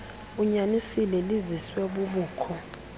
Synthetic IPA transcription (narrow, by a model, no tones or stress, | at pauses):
uɲanisilɛliziswɛɓuɓuːkʰɔ